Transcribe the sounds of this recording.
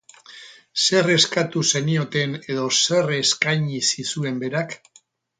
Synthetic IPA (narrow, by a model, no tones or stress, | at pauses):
se̞reskat̪use̞nio̞t̪e̞ne̞ðo̞se̞re̞skajɲisisue̞mbe̞ɾak